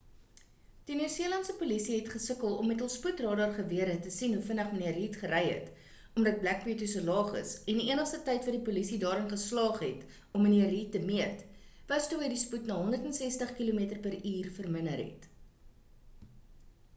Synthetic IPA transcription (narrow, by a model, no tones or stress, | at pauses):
d̥inyərziəlɐntsəpulisiɦɛtχəsəkəlˠɔmːɛtəlˠsputrɑːdɑrχəviəɾətəsinɦufənəχməniəriːtχəɾɛjɦə̰t | ɔmdɐt̚blæk̚biətusəlɑːχə̰sɛndiiənəχstətɛjtvɐdipulisidɑːɾənχəslɑːχɦɛt | ɔməniəriːtːəmiətvɐstuːɦəjdisputnɑːɦɔndərtənsɛstəχkiluːmiətərpəɾiːrfərmənəɾɦɛ̰t